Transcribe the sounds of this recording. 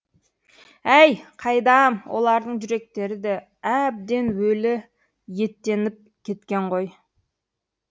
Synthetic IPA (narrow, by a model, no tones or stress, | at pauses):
æjqʰɑjd̪ɑmwʔo̞̰lˠɑɾd̪əɴʒʏɾe̞k̚t̪e̞ɾɪd̪e | æb̚d̪e̞nwɵlɪ | je̞t̪ːe̞nɪp̚ | kʲʰe̞t̪kʲe̞ɴʁo̞j